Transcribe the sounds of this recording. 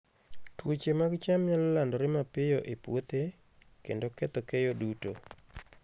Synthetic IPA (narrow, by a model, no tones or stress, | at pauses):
twot͡ʃemaɡt͡ʃamɲalːandɔɾɪmapɪjɔʔepwot̪e | kḛndokɛt̪ɔkejoduto